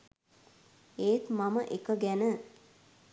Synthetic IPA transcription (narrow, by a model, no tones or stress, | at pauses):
eːt̪maməʔekəɡænə